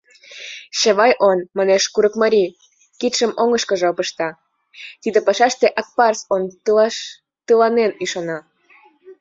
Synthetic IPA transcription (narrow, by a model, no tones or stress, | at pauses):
ʃeβɑjʔonmɑneʃkuɾəkmɑɾʲi | kit̪ʃəmʔoŋəʃkə̆ʒeopəʃt̪ɑ | t̪id̪əpɑʃɑʃt̪eʔɑk̚pɑrson | t̪əlɑneniʃonɑ